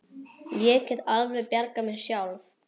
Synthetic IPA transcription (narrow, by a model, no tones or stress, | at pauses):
ljɛːcɪðalvɾɛpjaɾkamɛðsjawlv